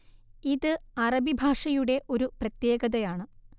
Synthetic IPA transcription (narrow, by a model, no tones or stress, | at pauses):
iðɨɐrɐbibʱaːʂɐjuɽe̞ʔo̞ɾuprɐt̪je̞ːɣɐðɐjaːɳɨ